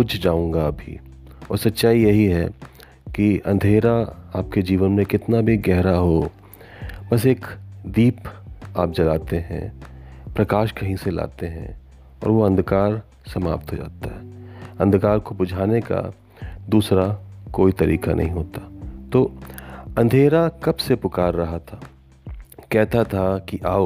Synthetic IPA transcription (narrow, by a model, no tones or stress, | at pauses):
ʊd͡ʒʱd͡ʒaːũːŋɡaɐbʱḭ | ɔ̰ːɾsɐtːʃaːijɐɦiɦɛ | kiɐ̃nd̪ʱeːɾaaːp̚ked͡ʒiːʋənmẽkɪt̪nabʱiɡɛɦɾaɦo | bɐseːkd̪iːpaːp̚d͡ʒɐlaːt̪eɦɛ̰̃pɾɐkaːʃkɐɦĩsela̰ːt̪eɦɛ̰̃ | ɔ̰ːɾʋoɐ̃nd̪ʱkaːɾ | sɐma̰ːp̚t̪ɦod͡ʒa̰ːt̪aɦɛːɐ̃nd̪kaːɾkobʊd͡ʒʱaːneka̰ | d̪uːsɾakoːit̪ɐɾiːkanʔɐ̰ɦĩɦoːt̪aːt̪oːɐ̃nd̪ʱeːɾakɐbsepʊkaːɾːɐɦat̪ʰaː | kɛɦt̪at̪ʰakiʔaːo